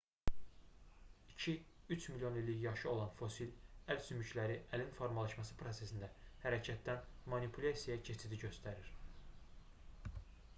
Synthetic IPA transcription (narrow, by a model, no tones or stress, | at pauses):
icʰiyt͡ʃʰmiljo̞nilːijɑʃɯo̞lˠɑnfo̞silælsymyclæɾiʔælinfo̞ɾmɑlˠɑʃmɑsɯpʰɾo̞se̞sind̪æhæɾæcʰæt̪ːænmɑnipʰulʲɑsijɑcʰet͡ʃʰid̪iɟø̞st̪æɾiɾ̥